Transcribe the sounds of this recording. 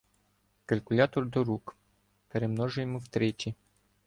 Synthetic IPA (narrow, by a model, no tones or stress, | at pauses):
kɐlʲkʊlʲat̪ɔrd̪ɔɾuk | peɾemnɔʒʊjmɨwt̪ɾet͡ʃi